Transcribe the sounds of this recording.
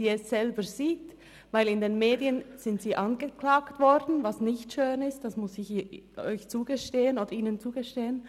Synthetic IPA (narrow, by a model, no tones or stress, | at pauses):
iːɛsz̥ɛlbəziːt | vaɪlɪndeːnmeːdiənz̥ɪntsiːʔɑnɡəklaːktv̥ɔɾdn̩vɑsnɪçtʃøːnɪst̚d̥asmʊsɪçʔɔʏçt͡suːɡəʃteːənoːd̥əɾiːnənt͡suːɡəʃteːən